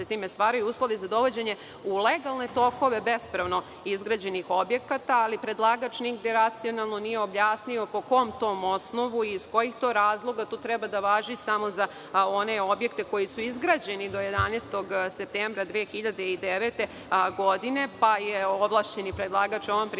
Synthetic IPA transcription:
et̪iːmest̪ʋaːɾajuuːslˠo̞ʋizad̪o̞ʋo̞d͡ʑeɲe̞ | uleɡalˠne̞t̪o̞ko̞ʋe̞be̞spɾaʋno̞ | izɡɾad͡ʑe̞nixo̞bje̞kat̪aːlipɾed̪lˠaɡat͡ʃniɡd̪eɾat̪sio̞nalˠnonijeo̞bjaːsnio̞po̞ko̞mt̪o̞ːmo̞sno̞ʋuisko̞jixt̪o̞ːɾaːzlˠo̞ɡat̪oːt̪ɾɛbad̪aʋaːʒisamo̞za | o̞ne̞o̞bje̞kt̪e̞ko̞jisuizɡɾaːd͡ʑe̞nid̪o̞je̞d̪anest̪o̞ɡsep̚t̪embɾad̪ʋeːxiʎad̪eid̪eʋet̪e | ɡo̞d̪ine̞pajeoblˠaːʃt͡ɕe̞nipɾed̪lˠaːɡat͡ʃoʋompɾ

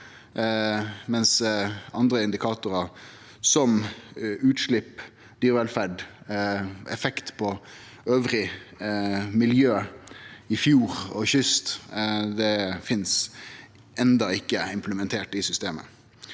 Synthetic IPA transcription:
mɛnsɑnd̪ɾəɪnd̪ɪkʰɑːt̪ʊɾɑ | sɔm | ʉːt̪ʂɭɪpː | d̪̥yːɾʋɛlfæɖ | ɛfɛkt̪pʰɔ | øːʋɾɪ | mɪljøː | ɪfjuːɾɔ̰çʏst̪d̪ɛfɪns | ʔɛnd̪ɑɪkːəɪmpʰləmɛnt̪ʰeːʈɪsʏst̪eːmə̰

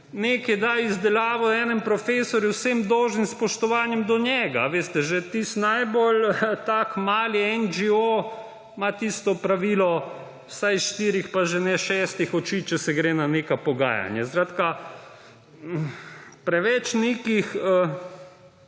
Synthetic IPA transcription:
nekɛd̪aizd̪ɛlaːʋɔɛːnɛmpɾɔfeːsɔɾjuwsemd̪ɔwʒnimspɔʃt̪ɔʋaːnjɛmd̪ɔnjɛɡa̰ʋeːst̪ɛʒet̪ist̪najbolt̪aːkmaːliɛnd͡ʒio | mat̪ist̪ɔpɾaʋiːlɔ | wsajsʃt̪iːɾixpaʒɛnɛʃɛːst̪ixɔt͡ʃiːt͡ʃɛsɛɡɾeːnanekapɔɡa̰ːja̰nja̰sɾaːt̪ka | pɾɛʋɛt͡ʃneːkixə

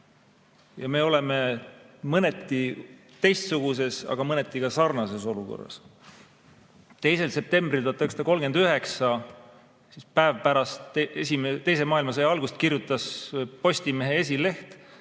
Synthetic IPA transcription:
jɑme̞ːo̞le̞me̞mɤnet̪ːˑi | t̪e̞jst̪suɡ̥use̞sɑ̰ɡ̥ɑmɤne̞t̪ːˑikɑsɑrnɑse̞so̞luko̞̰rːɑ̰s | t̪e̞jse̞lse̞p̚t̪e̞mb̥rilt̪uoɑt̪ːˑeksd̪ɑko̞lɡe̞nd̪yɦe̞ksɑ | sispæevpæɾɑst̪esimet̪e̞js̬e̞mɑːilmɑsejɑɑlɡust̪kirjut̪ːˑɑspo̞sʲt̪ime̞ɦe̞e̞s̬ʲile̞ht̪

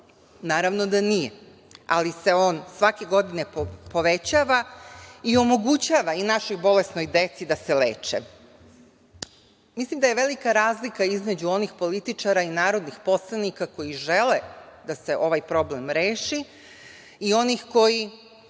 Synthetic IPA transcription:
naːɾaʋnod̪anije | a̰lise̞o̞ːnsʋake̞ɡo̞d̪ine̞po̞ʋet͡ɕaːʋaio̞mo̞ɡut͡ɕaːʋainaʃo̞jbo̞lesno̞jd̪e̞t̪sid̪aselḛːt͡ʃḛ | mislimd̪aje̞ʋe̞likaɾaːzlikaizme̞d͡ʑuo̞nixpo̞lit̪it͡ʃaɾainaːɾo̞d̪nixpo̞slˠanikako̞jiʒeled̪ase̞ʔo̞ʋajpɾo̞ble̞mɾeːʃi | io̞nixko̞ji

